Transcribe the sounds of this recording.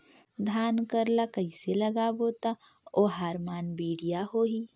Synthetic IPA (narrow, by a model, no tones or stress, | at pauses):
d̪ʱaːnkəɾlakəɪselɐɡaboːt̪a | oːɦaːɾmaːnbiːɽijaɦoːɦiː